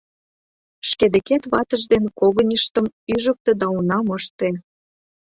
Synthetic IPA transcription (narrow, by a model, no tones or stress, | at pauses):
ʃked̪ĕket̪βɑt̪ə̆ʒd̪enkoɣə̆nʲəʃt̪ə̆myʒək̚t̪ə̆d̪ɑunɑmɤʃt̪e